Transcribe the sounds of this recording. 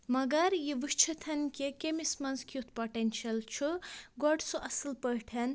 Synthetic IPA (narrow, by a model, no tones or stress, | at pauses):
mɐɡɐɾjiʋuʃt͡ʃʰɐt̪ʰɐnkekʲemismɐnzkʰjut̪̚ʰpoʈenʃɐlt͡ʃʰuɡoɖsuʔɐsilpɐʈʰɐn